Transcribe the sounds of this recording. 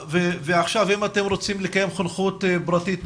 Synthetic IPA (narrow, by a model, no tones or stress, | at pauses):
veveaχʃavimat̪e̞mɾot͡simlekajemχonχut̪bɾat̪it̪